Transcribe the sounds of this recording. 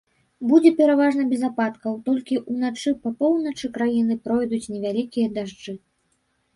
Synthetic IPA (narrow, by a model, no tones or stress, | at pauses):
bud͡zʲɛpʲɛɾavaʐnɐbʲɛzapat̪kɐwt̪ɔlʲkʲiʔunat͡ʂɨpɐpɔwnɐt͡ʂɨkɾajin̪ɨpɾɔjd̪ut͡sʲnʲɛvʲalʲikʲijɐd̪aʐd͡ʐɨ